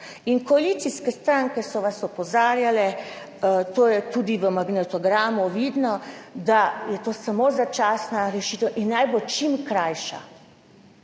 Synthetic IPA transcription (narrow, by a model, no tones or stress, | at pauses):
inkɔalit̪siskɛst̪ɾaŋkɛsɔʋasɔpɔzaːɾjalɛ | t̪oːjɛt̪uːd̪iʋəmaɡnɛt̪ɔɡɾaːmuʋiːd̪nɔd̪ajɛt̪oːsamozat͡ʃaːsnaɾɛʃit̪ɛwʔinːajbot͡ʃimkɾajʃa̰